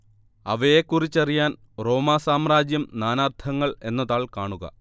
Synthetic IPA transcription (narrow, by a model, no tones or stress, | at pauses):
ɐ̰ʋejekːurit͡ɕːɐrijaːn | ro̞ːmaːsaːmraːd͡ʑjɐmnaːnaːrt̪ʰɐŋːɐɭe̞nːɐðaːɭkaːɳuɣɐ̰